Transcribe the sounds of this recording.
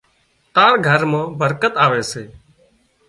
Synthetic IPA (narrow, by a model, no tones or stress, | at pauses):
t̪aːɾɡʱəɾmãːbəɾkət̪aːʋeːseː